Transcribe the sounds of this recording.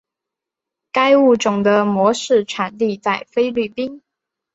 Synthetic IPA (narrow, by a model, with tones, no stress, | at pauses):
ka˥ɪu˥˩ʈ͡ʂʊ˨˩ŋd̪ə˦mwɔ˧˥ʂɻ̩˥˩ʈ͡ʂʰa˨˩nli˥˧t͡sa˥˩ɪfe˥ɪly˥˩pi˥ŋ